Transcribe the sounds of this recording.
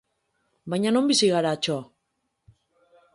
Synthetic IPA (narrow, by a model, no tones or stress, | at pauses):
bajɲano̞mbisiɣaɾat͡ʃo